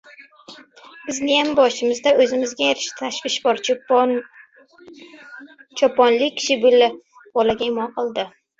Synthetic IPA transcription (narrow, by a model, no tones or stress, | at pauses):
bɪznɪjambɒʃɪmɪzd̪aɵzɪmɪzɡʲajeɾɪ̥ʃt̪ʰaʃvɪʃbɒɾ | t͡ʃʰɒpʰɒnlɪk̚ʲːʰɪ̥ʃɪbʊlɪ | b̥ɒlaɡʲaɪmɒnqʰɨlˠd̪ɪ